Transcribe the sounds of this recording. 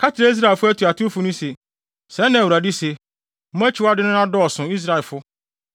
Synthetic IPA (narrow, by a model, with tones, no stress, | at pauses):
kʰa˦tʰɪ˨ɾa˦i˦s̬ɾa˦˨ɛ˨fʊ˦æ˦tʰu˨a˨tʰfʊ˨nʊ̃˦se˨ | sɛ̃˨˦nã˨u˨ɾa˨di˦se˨ | m̩˦mɛ̃˦t͡ɕʰɪ˨˦a˦dɪ˦nʊ̃˦nã˦dɔ˦ɔ˨sʊ̃˨i˦s̬ɾa˨ɛ˨lfʊ˦